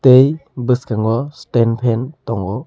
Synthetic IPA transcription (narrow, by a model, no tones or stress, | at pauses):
tejbɯskaŋɡɔstenpʰɛntɔŋɔ